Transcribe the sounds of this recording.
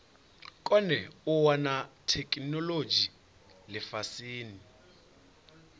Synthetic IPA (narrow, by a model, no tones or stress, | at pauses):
kʼɔnɛuwɔnatʰɛkʼinɔlod͡ʒi | lɛfasiːni